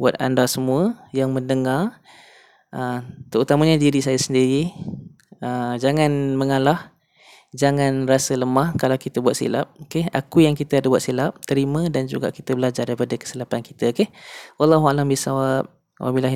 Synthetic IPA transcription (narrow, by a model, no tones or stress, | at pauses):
buat̪̚a̰ndasəmũəjaŋməndəŋar | ʔət̪əut̪aməɲadidisajasəndiɾi | əd͡ʒaŋanməŋalah | d͡ʒaŋanrasələmahkalawkit̪əbuat̪̚sḭla̰p̚keha̰kujaŋkit̪əadabuat̪̚silap̚t̪əɾimə̃dand͡ʒṵɡa̰ʔkit̪əbəlad͡ʒardaipadəkə̥silapanki̥t̪əkehwalːɑɦualambisawap̚ | wʔa̰bilaɦ